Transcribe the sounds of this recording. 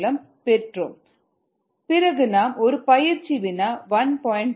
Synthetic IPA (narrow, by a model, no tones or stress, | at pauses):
lɐm | pɛʈrɯm | pɪɾɐɣɯnaːmɔɾɯpɐjɪɾt͡ʃːiʋɪnaːʋɐnpɔːɪɳʈ